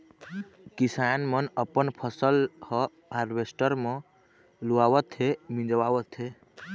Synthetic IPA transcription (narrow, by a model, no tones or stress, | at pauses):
kisanmənəpənpʰəsəlhə | ɦaɾbesʈəɾmə̃ | luawət̪ʰemĩd͡ʒəwawət̪ʰe